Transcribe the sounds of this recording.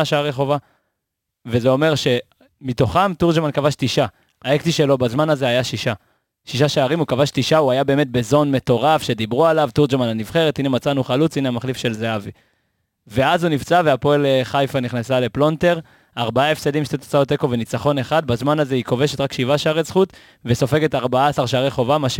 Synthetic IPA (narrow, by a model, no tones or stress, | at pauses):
aʃaaʁeχo̞va | vezeo̞me̞ʁʃe | mito̞χamtuʁd͡ʒmankavaʃtiʃa | aekt͡siʃe̞lo̞bazmanazeajaʃiʃa | ʃiʃaʃaːʁimukavaʃtiʃauajabe̞eːme̞t̪̚be̞zo̞nme̞to̞ʁafʃe̞d̪ibʁualavt̪uʁd͡ʒmananivχeʁet̪inemat͡sanuχalut͡sineamaχlifʃe̞lzeavi | ve̞azunivt͡saveapo̞eleχajfaniχnasale̞plo̞nte̞ʁ | aʁbaae̞fsedimʃt̪et̪o̥t͡saot̪e̞ko̞ve̞nit͡saχo̞ne̞χad̪̚bazmanaze̞iko̞veʃe̞t̪ʁakʃivaʃaaʁezχut̪ | veso̞fe̞ɡe̞taʁbaaːsaʁʃaaʁiχo̞vamaʃ